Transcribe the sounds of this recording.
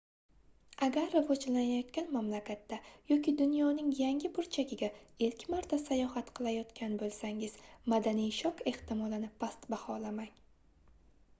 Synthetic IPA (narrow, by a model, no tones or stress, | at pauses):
aɡʲaɾːavod͡ʒlanajɒt̪kʲanmamlakʲʰat̪ːajɒkʲid̪ʊnjɒnɪŋjaŋʲɪpʊɾt͡ʃʰaɡʲɪɡʲaelkʲʰmaɾt̪ʰasajɒhat̪qʰɨlˠajɒt̪kʲʰanbolˠsaŋɪz̥mad̪anijʃɒqe̞ht̪ɪmɒlˠɪnɪpʰast̪bahɒlamaŋ